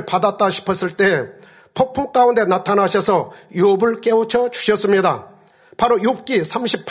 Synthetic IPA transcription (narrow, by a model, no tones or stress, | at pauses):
ɭpadat͈aɕʰi̥pʰʌs͈ɯɭt͈e̞ | pʰok̚pʰuŋk͈aunde̞natʰanaɕʰʌsʰʌjuʌbɯɭk͈e̞ot͡ɕʰʌt͡ɕu̥ɕʰʌs͈ɯmɲida | paɾojop̚k͈isʰamɕʰipʰ